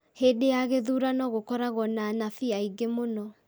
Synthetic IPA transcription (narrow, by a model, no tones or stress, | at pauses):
heːdejaɣeðuːɾanɔɣokɔɾaɣɔnanafiaiɡemonɔ